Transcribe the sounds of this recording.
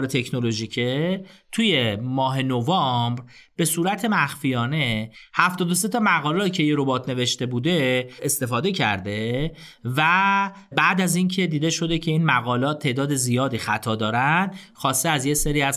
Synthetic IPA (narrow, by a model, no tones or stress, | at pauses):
ɾet̪ʰe̞cʰno̞lo̞ʒicʰet̪ʰuje̞mɒːɦe̞novɒmbɾ | b̥e̞suːɾæt̪ʰe̞mæxfijɒːne̞hæft̪ɒːd̪os̬e̞t̪ʰɒmæɣɒːlɛːt̪icʰe̞jeɾo̞bɒːt̪ʰne̞ve̞ʃt̪e̞buːd̪e̞est̪e̞fɒːd̪e̞cʰæ̰ɾd̪e̞ | væ | bæʔd̪æzincʰe̞d̪iːd̪eʃo̞d̪e̞cʰe̞iːnmæɣɒːlɒːt̪t̪ʰːe̞ʔd̪ɒːd̪e̞zijɒːd̪iːxæt̪ʰɒːd̪ɒːɾænd̪xɒːst̪eæzjeseɾiːæz